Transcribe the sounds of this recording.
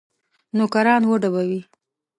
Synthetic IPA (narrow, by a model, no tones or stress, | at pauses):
nokaɾɑnwəɖabawi